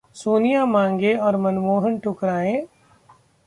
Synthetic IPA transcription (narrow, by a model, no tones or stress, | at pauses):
suːnijamãːŋɡeɔːɾmɐnmoːɦənʈʊkɾaːẽː